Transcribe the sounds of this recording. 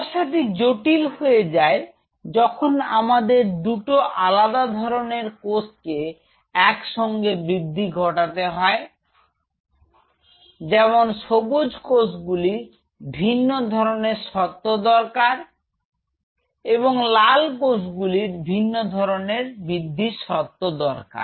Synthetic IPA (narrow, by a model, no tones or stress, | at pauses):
ʃad̪ik̚d͡ʑoʈilɦoed͡ʑae | d͡ʑɔkʰonamad̪eɾd̪uʈoʔalad̪ad̪ʱɔɾoneɾkoske | ɛkʃɔŋɡebɾid̪ʱːiɡʱɔʈat̪eɦɔe | d͡ʑɛmonʃobud͡ʑkosɡuliɾ | bʱinːod̪ʱɔɾoneɾʃɔt̪ːod̪ɔɾkaɾ | eβoŋlalkosɡuliɾbʱinːod̪ʱɔɾoneɾbɾid̪ʱːiʃɔt̪ːod̪ɔɾka̰ɾ